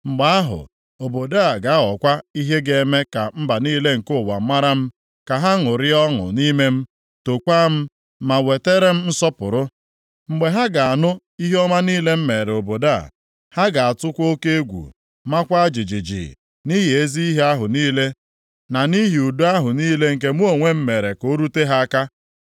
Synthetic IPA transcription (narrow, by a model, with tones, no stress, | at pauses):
ŋ͡m̩˨ɡ͡ba˨a˦ɦʊ̰˨ | o˨bo˨da˦˨ɡa˨˦ɔ˨kʷa˦i˦ɦe˦ɡe˨˦me˦ka˨m̩˦ba˨niː˦le˦ŋ̩˨kʊ˦˨wa̰˨˦ma˦ɾa˦m̩˦ | ka˨ɦa˦ŋʊ˨ɾɪ˦ɔ˦ŋʊ̰˨ni˦me˦m̩˦ | to˨kʷa˦m̩˦ | ma˨we˨te˦ɾe˦m̩˦n̩˦sɔ˦pʊ̰˨ɾʊ˦ | ŋ͡m̩˨ɡ͡be˨ɦa˦ɡa˨a˨nʊ˦ | i˦ɦe˦ɔ˦ma˦niː˦le˦m̩˦me˨ɾe˨o˨bo˨da˦˨ | ha˦ɡa˨a˨tʊ˦kʷo˦ke˦e˦ɡʷṵ˨ | ma˦kʷa˦a˦d͡ʒi˨d͡ʒi˨d͡ʒḭ˨ | ni˦ɦi˨e˦zi˦i˦ɦe˦a˦ɦʊ˨niː˦le˦ | na˨ni˦ɦi˨u˨du˦a˦ɦʊ˨niː˦le˦ŋ̩˨k̬e˨mu˦o˨ŋʷe˦m̩˦me˨ɾe˨ko˦ɾu˦te˦ɦa˦a˦ka˦